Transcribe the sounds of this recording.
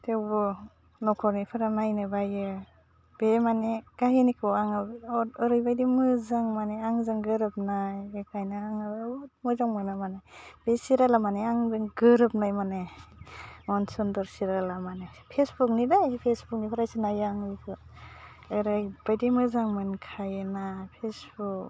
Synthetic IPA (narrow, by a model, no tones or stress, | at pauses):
tʰewbɔ | nɔkʰɔɾnipʰaɾanajnɯbajɯ | b̥emaneɡ̥aɦinikʰɯaŋabɯɯɾɯjbajdimɯzaŋmaneaŋzaŋɡɯɾɯp̚najekʰajnaaŋɯbmɯzaŋmɯnamaneb̥esiɾalamaneaŋzɯŋɡɯɾɯp̚najmane | mɔnsɔndɔɾsiɾalamanepʰesbuk̚nidajpʰesbuk̚nipʰaɾajsɯnajaŋɯjkʰɯ | ɯɾajb̥ajdimɯzaŋmɯnkʰajɯnapʰesbuk